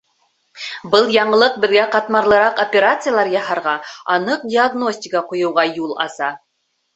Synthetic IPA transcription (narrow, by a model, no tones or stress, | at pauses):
bɤlˠjɑɴɤ̆lˠɤq̚bɘ̆ðɡæqɑt̪mɑɾlˠɤ̆ɾɑqopʲeɾat̪sɨjalˠɑɾjɑhɑɾʁɑɑnɤq̚dʲiaɡno̞sʲtʲɪkəqŏjɤ̆wʁɑjulˠɑ̰sɑ